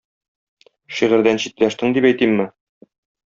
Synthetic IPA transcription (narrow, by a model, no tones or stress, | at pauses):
ʃiʁɘ̆ɾd̪ænɕit̪læʃt̪ɘŋd̪ipæjt̪imːɘ